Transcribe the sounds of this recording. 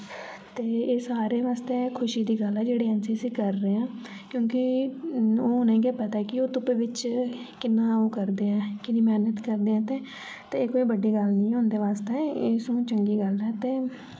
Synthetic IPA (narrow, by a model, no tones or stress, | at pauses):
t̪eːeːsaːɾeːʋaːst̪eːkʰʊʃiːd̪iːɡəlɛːd͡ʒeːɽiːɛ̃ːnsiːəsĩːkəɾːeːãː | kjõːkɪ | oːʊnẽĩːɡeːpət̪aːkɪoːt̪ʊpeʋɪt͡ʃ | kɪnːãːoːkəɾd̪eːɛ̃ːkɪnĩːmɛːnət̪kəɾd̪eːɛ̃ːt̪eː | t̪eːeːkoːiːbəɖːiːɡəlnĩːɦʊ̃ːnd̪eːʋaːst̪eːeːsũːt͡ʃəŋɡiːɡəlɛːt̪eː